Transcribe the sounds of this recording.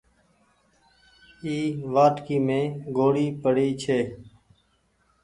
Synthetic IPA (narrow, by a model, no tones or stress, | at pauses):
iːʋaːʈkiːmẽːɡoːɽiːpəɽiːt͡ʃʰeː